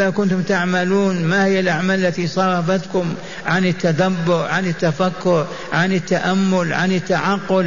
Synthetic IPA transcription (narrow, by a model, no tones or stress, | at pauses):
akʊnt̪ʊmt̪aʕmaluːnmahɪjːalʔaʕmaːlɪlːat̪isˤɑːɾˤɑfat̪kʊm | ʕanɪt̪ːad̪abːʊɾʕanɪt̪ːafakːʊɾ | ʕanɪt̪ːaʔamːʊlʕa̰nɪt̪ːaʕɑqːʊl